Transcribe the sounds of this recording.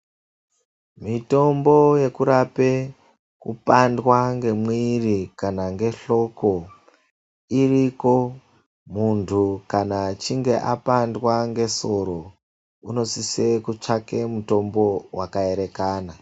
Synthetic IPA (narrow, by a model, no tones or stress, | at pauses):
mito̞mbo̞je̞kuɾape | kṵpandwaŋɡe̞mwirikanaŋɡe̞ɬo̞ko̞ | iriko̞ | muntʰukanat͡ʃiŋɡe̞ʔapandwaŋɡe̞so̞ɾo̞ | uno̞sise̞kut͡ʂake̞muto̞mbo̞wakae̞ɾe̞kaːna